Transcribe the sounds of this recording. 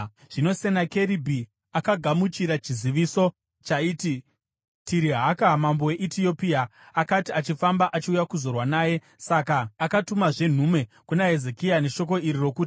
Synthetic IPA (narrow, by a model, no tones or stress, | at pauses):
ʐ̥ino̞se̞nake̞ɾibʱi | akaɡʱamut͡ʃiɾat͡ʃiziʋiso̞ | t͡ʃaiːti | tiɾiɦakamambo̞we̞ʔitiopiaakatiat͡ʃifambaʔat͡ʃiujakuzo̞rwanaːje̞ | sakaːkatumaʐe̞n̤umwe̞ | kunaɦezekijane̞ʃo̞k̬o̞iɾiro̞kuːti̥